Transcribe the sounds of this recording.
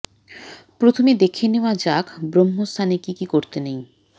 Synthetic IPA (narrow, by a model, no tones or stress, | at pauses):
pɾot̪ʰomed̪ekʰeneoad͡ʑakʰbɾomːost̪ʰanekikikoɾt̪enej